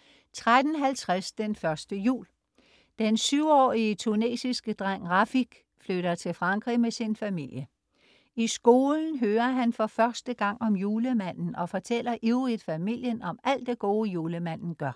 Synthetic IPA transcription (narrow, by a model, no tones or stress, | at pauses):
t͡sʰʁad̥n̩ɦælt͡sʰʁasd̥enfɶɐsd̥əjṵːl | d̥ensyʊ̰ɒ̰ːiət͡sʰune̝̰sisɡ̥əd̥ʁɑŋ̰ʁɑfiɡ̥ | fløɾ̥ɐt͡sʰe̝lfʁɑ̈ŋɡ̥ʁḭmesinfæmil̰jə | isɡ̥o̝ːln̩ɦøːɐɦænfɒ̽fɶɐsd̥əɡ̥ɑ̈ŋ̰ɒ̽mjuːləmæn̰n̩ɒ̽fɒt͡sʰel̰ɐʔiʊʁið̥ˠfæmil̰jənɒ̽mæl̰d̥e̝ɡ̥o̝ːjuːləmæn̰n̩ɡ̥ɶɐ